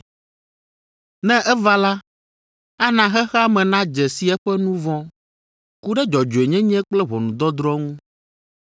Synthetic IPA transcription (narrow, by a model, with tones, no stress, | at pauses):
nɛ̃˦ʔɛ˦va˦la˦ | a˦nã˨xɛ˦xɛ˦a˦mɛ̃˨nã˦d͡ʒɛ˨si˦ɛ˦ɸɛ˦nũ˦vɔ̃˦ | ku˦ɖɛ˦d͡ʒɔ˨d͡ʒo˨e˨ɲɛ̃˦ɲɛ̃˦k͡plɛ˦βɔ˨nũ˨d̪ɔ˦d̪ɾɔ˦ŋũ˦